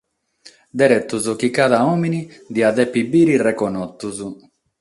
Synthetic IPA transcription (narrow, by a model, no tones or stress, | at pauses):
d̪ɛɾɛt̪ːuzukikaðaɔːminid̪iaðɛpːibːiːɾirɛkɔnɔt̪ːuzu